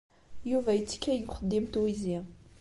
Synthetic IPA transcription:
juvæjət͡sːə̥kːæjɡχəd̪ːimt̪wizi

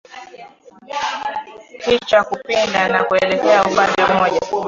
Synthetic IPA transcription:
pit͡ʃakupindanakuɛlɛkɛaupandɛmɔʄa

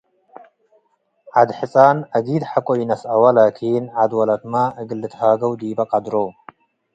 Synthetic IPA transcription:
ʕad̪ħɨt͡sʼanɐɡid̪ħakʼojinɐsawalakʰinʕad̪walat̪maʔɨɡɨlːɨt̪ʰhaɡɐwd̪ibɐkʼad̪ɾow

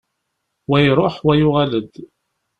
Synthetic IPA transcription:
wæjɾˤoħwæjʊʁaləd̪

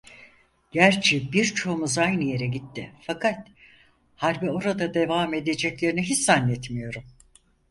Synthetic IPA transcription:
ɟ̥æɾt͡ʃʰibiɾt͡ʃʰo̞umuzajnɯje̞ɾɛɟit̪ʰːɪfakʰat̪ | haɾbio̞ɾad̪ad̪e̞vaːme̞d̪e̞d͡ʒɛclʲeɾiniɦisːanːɛt̪mijo̞ɾum

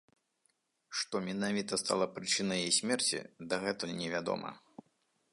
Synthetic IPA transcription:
ʂt̪ɔmʲɛnavʲit̪ɐst̪a̰lˠɐpɾɨt͡ʂɨnɐjejsʲmʲɛrt͡sʲḭd̪ɐɣɛt̪ɨnʲɛvʲad̪ɔ̰mɐ̰

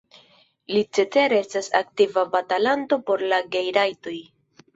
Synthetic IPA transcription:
lit͡se̞t͡se̞ɾe̞stasa̰k̚tivabatalanto̞po̞ɾlaɡejɾajto̞j

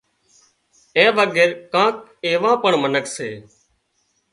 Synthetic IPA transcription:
ẽːʋəɡeːɾkãːk̚eːʋãːpəɳmənəkseː

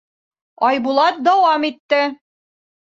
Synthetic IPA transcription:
ɒjbulˠɑt̪̚d̪ɒwɑmit̪ːɘ

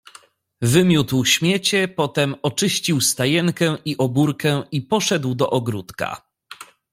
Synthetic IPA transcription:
vɘmʲjut̪wɕmʲjet͡ɕɛpɔt̪ɛmɔt͡ʂɘɕt͡ɕiwst̪ajɛŋkɛʔiʔɔbuɾkɛipɔʂɛd̪wd̪ɔʔɔɡɾut̪ka̰

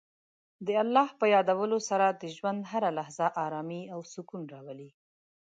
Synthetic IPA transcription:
d̪əalːɑhpəjɑd̪awəlosaɾad̪əʒwand̪ɦaɾalahzaʔɑɾɑmiawsukunɾɑwəli

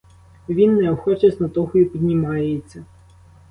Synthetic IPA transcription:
ʋʲinːɛɔxɔt͡ʃɐsʲnɔt̪ɔxjipʲid̪ʲnʲimɑjet͡sʲːɐ

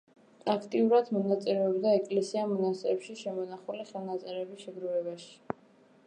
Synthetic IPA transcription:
akʰt̪ʼiuɾad̪mɔnat̪sʼɛɾɛɔbd̪aɛkʼlɛsiamɔnasɛɛpʃiʃɛmɔnaχuliχɛlˠnat̪sʼɛɾɛbisʃɛɡɾuvɛbaʃi̥

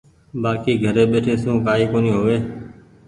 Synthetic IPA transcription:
ɓaːkiːɡʱəɾeːɓeːʈʰeːsũːkaːiːkoːnĩːɦoːʋeː

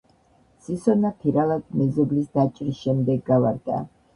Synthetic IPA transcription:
sisɔnapʰiɾalad̪̚mɛzɔblisd̪at͡ʃʼɾisʃɛmd̪ɛɡːavaɾd̪a̰

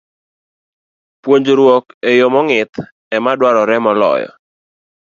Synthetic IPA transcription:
pwoɲd͡ʒoɾwɔkejomɔŋɪt̪ | ɛmadwaɾɔɾɛmɔlɔ̰jɔ̰

